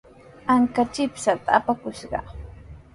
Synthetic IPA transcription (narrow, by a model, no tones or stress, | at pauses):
aŋkat͡ʃɪpsat̪aːpakʊʃɢɑ̰